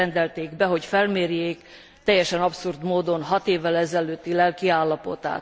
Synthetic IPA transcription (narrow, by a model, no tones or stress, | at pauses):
ɛnd̪ɛlt̪eːɡbɛɦo̞cfɛlmeːɾjeːk | t̪ɛjːɛʃɛnɒpsurd̪moːd̪o̞nɦɒt̪eːvːɛlɛzɛløːt̪ːilɛlkiaːlːɒpo̞̰t̪a̰ːt̪